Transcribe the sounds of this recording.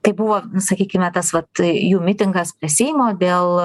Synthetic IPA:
t̪ɐɪbʊʋoːsɐkʲiːkʲɪmʲɛt̪ɐsʋɐt̪juːmʲɪt̪ʲɪŋɡɐspʲɾʲɪsʲijɪmoːd̪ʲeːlˠ

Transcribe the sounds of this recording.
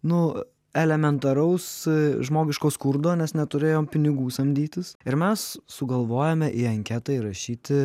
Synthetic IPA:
nʊ | ɛlʲɛmʲɛnt̪ɐɾɐʊsʒmoːɡʲɪʃkoːskʊrd̪oːnʲɛsnʲɛt̪ʊɾʲeːjoːmpʲɪnʲɪɡuːsɐmʲd̪ʲiːt̪ʲɪsɪɾmʲɛssʊɡɐlˠʋoːjɛmʲɛʔiːɐŋʲkʲɛt̪ɐɪɾɐʃʲiːt̪ʲɪ

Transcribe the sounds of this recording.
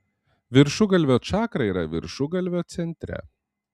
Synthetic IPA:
ʋʲɪɾʃʊɡɐlʲʋʲoːt͡ʃɑːkɾɐiːɾɐ̰ʋʲɪ̰ɾʃʊɡɐlʲʋʲoːt̪sʲɛnʲt̪ʲɾʲɛ̰

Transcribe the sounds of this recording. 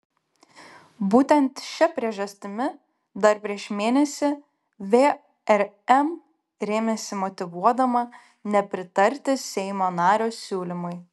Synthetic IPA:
buːt̪ʲɛnt̪ʃʲɛpʲɾʲiɛʒɐsʲt̪ʲɪmʲɪ | d̪ɐɾpʲɾʲiɛʃmʲeːnʲɛsʲɪ | ʋʲeː | ɛɾɛm | ɾʲeːmʲɛsʲɪmɔt̪ʲɪʋuɔd̪ɐmɐ | nʲɛpʲɾʲɪt̪ɐɾʲt̪ʲɪsʲɛɪmoːnɑːɾʲoːsʲuːlʲɪmʊɪ

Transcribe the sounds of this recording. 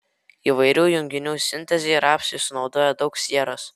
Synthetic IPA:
iːʋɐɪɾʲuːjʊŋʲɡʲɪnʲuːsʲɪnʲt̪ʲɛzʲeːɾɑːpʲsʲɪsʊnɒʊd̪oːjɛd̪ɒʊksʲiɛɾoːs

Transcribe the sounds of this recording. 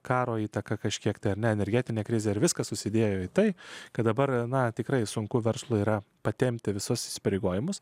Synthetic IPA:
kɑːɾoːiːt̪ɐkɐkɐʃʲkʲiɛkt̪ɐɪɐɾnʲɛɛnʲɛɾʲɡʲɛt̪ʲɪnʲeːkɾʲɪzʲeɪɾʋʲɪskɐsʊsʲɪd̪ʲeːjoːit̪ɐɪkɐt̪d̪ɐbɐrnɐt̪ʲɪkɾɐɪsʊŋkʊʋʲɛrslˠʊiːɾɐpɐt̪ʲɛmʲt̪ʲɪʋʲɪsʊsɪsʲɪ̥pɐɾʲeɪɡoːjɪmʊs

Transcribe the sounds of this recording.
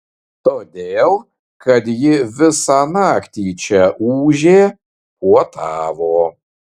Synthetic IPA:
t̪oːd̪ʲeːlˠ | kɐt̪jɪʋʲɪsɑːnɑːkt̪ʲiːt͡ʃʲɛʔuːʒʲeː | kuɔt̪ʰɑːʋoː

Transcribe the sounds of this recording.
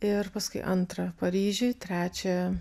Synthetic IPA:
ɪpɐskʊɪʔɐnt̪ɾɐpɐɾʲiːʒʲɪt̪ʲɾʲæːt͡ʃʲɛ

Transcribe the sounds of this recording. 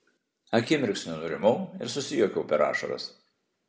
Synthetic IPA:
ɐkʲɪmʲɪɾʲksʲnʲʊnʊɾʲɪmʊɪ̰ɾsʊsʲɪjokʲɛʊpʲɛɾɑ̰ːʃɐ̰ɾɐ̰s

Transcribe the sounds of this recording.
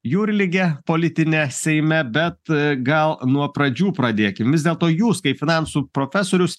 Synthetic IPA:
juːɾʲɪlʲɪɡʲɛpoːlʲɪt̪ʲɪnʲɛsʲɛɪmʲɛbʲɛt̪ɡɐlˠnuɔpɾɐd͡ʒʲuːpɾɐd̪ʲeːkʲɪmʋʲɪzd̪ʲeɛlˠt̪oːjuːskɐɪpfʲɪnɑˑnsuːpɾoːfʲæsoːɾʲʊs

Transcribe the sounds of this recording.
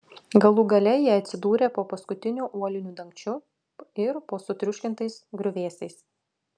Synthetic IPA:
ɡɐlˠuːɡɐlʲɛjiɛɐt̪ʲsʲɪd̪uːɾʲeːpoːpɐskʊt̪ʲɪnʲuːʔuɔlʲɪnʲuːd̪ɐŋʲkʲt͡ʃʲʊ | ɪɾpoːsʊt̪ʲɾʲʊʃʲkʲɪnt̪ɐɪsɡɾʲʊʋʲeːsʲɛɪs

